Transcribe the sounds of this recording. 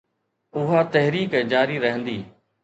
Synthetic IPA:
ʊɦaːt̪əɦɾiːkːd͡ʒaːɾiːɾəɦə̃nd̪iː

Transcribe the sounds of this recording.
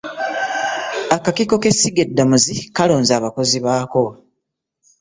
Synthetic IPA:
akakiko̞ke̞siɡedːamuzikalo̞ːnzaːβako̞ziβaːko̞

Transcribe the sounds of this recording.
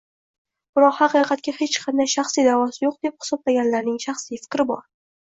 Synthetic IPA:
b̥ɪɾɒqhɑqɨqʰɑt̪̚kʲahe̞t͡ʃqʰɑnd̪ajʃaχsijd̪avɒsɪjoq̚d̪̥e̞p̚hɪ̥sɒblaɡʲanlaɾnɪŋʃaχsijfɪ̥kʲɾɪbɒɾ

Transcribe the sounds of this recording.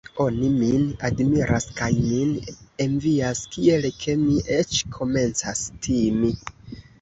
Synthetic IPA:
o̞niminadmiɾʔaskajmine̞nviaskie̞lkʰe̞miʔe̞t͡ʃkʰo̞me̞nt͡sastʰimi

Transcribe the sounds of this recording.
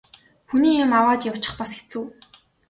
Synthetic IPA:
xuniːɪmawaːt̪jaw̥t͡ɕɪ̆χpasɡe̥t͡sŭː

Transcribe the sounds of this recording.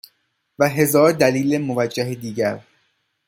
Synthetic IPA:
væɦe̞zɒːɾd̪æliːlemovæd͡ʒːæɦed̪iːɟæɾ

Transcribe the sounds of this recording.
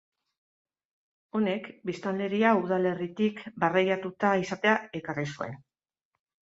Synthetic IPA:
o̞ne̞kbist̪ald̪e̞ɾiauðale̞rit̪ikbarajat̪ut̪aisat̪e̞ae̞karisue̞̰n

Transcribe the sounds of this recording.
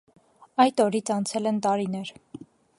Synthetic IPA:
ɑjt̪ɔɾit͡sʰɑnt͡sʰɛlɛnt̪ɑɾinɛɾ

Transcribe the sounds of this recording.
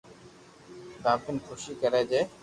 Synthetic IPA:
kãːpʰɪnkʰʊʃiːkəɾeːd͡ʒeː

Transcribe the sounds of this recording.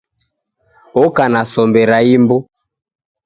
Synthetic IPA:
ɔkanasɔmbɛɾaimbɔ

